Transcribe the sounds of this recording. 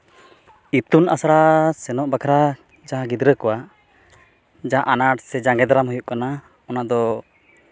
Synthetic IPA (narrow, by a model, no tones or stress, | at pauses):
it̪unasaɾasɛnɔʔbakʰaɾa | d͡ʒaɦãɡid̪ɾəkɔwa | d͡ʒaɦa̰ʔanaʈsɛd͡ʒaŋɡɛd̪aɾamɦujuʔkana | ɔnad̪ɔ